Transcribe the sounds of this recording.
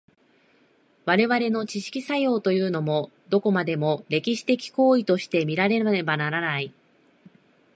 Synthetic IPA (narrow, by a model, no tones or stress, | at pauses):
βaɾe̞βaɾe̞no̞t͡ɕiɕi̥kʲisajo̞ːt̪o̞jɯ̟ːno̞mo̞ | d̪o̞ko̞mad̪e̞mo̞ɾe̞kʲiɕi̥t̪e̞kʲi̥ko̞ːit̪o̞ɕi̥t̪e̞mʲiɾaɾe̞ebanaɾanai